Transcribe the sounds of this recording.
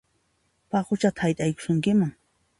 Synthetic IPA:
pɑqʊt͡ʃat̪ḁajt̪ʼajkʊ̥ʃʊŋkɪmaŋ

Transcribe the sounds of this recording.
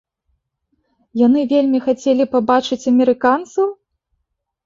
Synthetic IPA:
janɨvʲelʲmʲixat͡sʲelʲipabat͡ʂɨt͡sʲɐmʲɛɾɨkant̪sɐw

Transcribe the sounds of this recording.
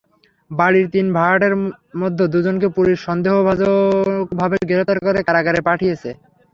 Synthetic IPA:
baɽiɾt̪inbʱaʈeɾmɔd̪ʱːod̪ud͡ʑonkepuɾiʃɔnd̪eɦobʱad͡ʑobʱabeɡeɾot̪aɾkoɾekaɾaɡaɾepaʈʰijet͡ɕʰe

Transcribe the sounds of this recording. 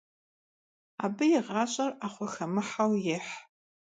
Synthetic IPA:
a̰bɨjiʁat͡ʃʷʼaraχʷaxamɨħawjɪħ

